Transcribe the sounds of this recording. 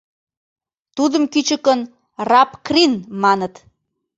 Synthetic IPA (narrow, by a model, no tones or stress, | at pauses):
t̪ud̪ə̆mkyt͡ɕə̆kən | rɑpkrinmɑnət̪